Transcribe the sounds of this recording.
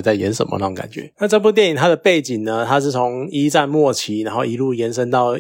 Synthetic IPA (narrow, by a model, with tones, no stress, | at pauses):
t͡sa˥˩ɪjɛ̰˧˦nʂə̰˨nmʔə̰˦ʂɑ˥˩ŋka̰˨˩nt͡ɕɥɛ̰˧˦na˥˧ʈ͡ʂɤ˥˧p̬u˥˧t̪jɛ˥˩ni˨˩ŋt̪ʰa˦˥d̪ə˨pe˥˩ɪt͡ɕi˨˩ŋnə˩t̪ʰa˦˥ʂɻ̩˥˩t͡sʰo˧˦ŋi˦˥t͡sa˥˧nmwɔ˥˩t͡ɕʰi˧˥na˧˦nxo˥˩ʊi˧˥lu˥˩jɛ˨˦nʂ̬ə˦˥nt̪ɑ˥˩ʊ